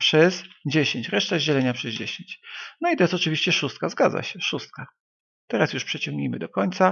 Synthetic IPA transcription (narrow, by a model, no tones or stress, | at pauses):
pʂɛzd͡ʑeɕeɲt͡ɕɾɛʂt̪aʑɛlɛɲapʂɛzd͡ʑeɕeɲt͡ɕnɔit̪ɔjɛsɔt͡ʂɘvʲiɕt͡ɕɛʂust̪kazɡa̰dza̰ɕɛʂust̪̚ka | t̪ɛɾasjuʂpʂɛt͡ɕɔŋɡɲḭjmɘd̪ɔkɔɲʲt̪sa